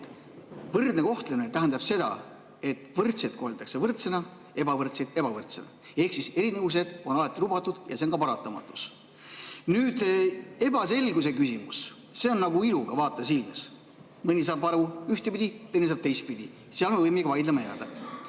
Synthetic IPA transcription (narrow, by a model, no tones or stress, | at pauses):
vɤrd̪ne̞ko̞ht̪leminet̪æɦænd̪ɑb̥se̞d̪ɑ̰ | e̞t̪ːˑvɤrt̪sed̪̚ko̞ɦelʲt̪ːˑɑkse̞vɤrt̪se̞nɑ | ebɑvɤrt̪sed̪e̞bɑvɤrt̪se̞nɑ̰ | e̞hksise̞ɾinevus̬e̞d̪̥o̞nɑlɑt̪ːˑilubɑt̪ːˑud̪̥jɑse̞onɡkɑpɑɾɑt̪ːˑɑmɑ̰t̪ːˑu̥s | nyːd̪̥e̞bɑse̞lɡus̬e̞kysimus | se̞onːɑɡuiluɡ̥ɑvɑːt̪ːˑɑs̬ilmɑs | mɯnʲis̬ɑːbɑɾuyht̪epid̪ʲit̪enːis̬ɑːb̥̚t̪ejs̚pid̪i | siɑlmevɤjmeɡɑvɑjd̪lemɑjæːd̪̥ɑ